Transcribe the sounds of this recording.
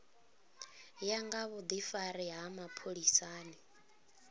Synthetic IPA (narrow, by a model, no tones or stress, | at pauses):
jaŋɡaβɔd̪ifaɾiɦamapʰoɺisaːni